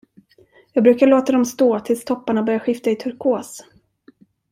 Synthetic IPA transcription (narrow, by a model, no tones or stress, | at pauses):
jɑːɡ̚bɾʉ̟ːkaɭoːt̪ad̪ɔmst̪oːt̪ʰɪlst̪ʰɔpːaɳabœɾjaɧɪft̪aɪt̪ʰɵɾkʰoːs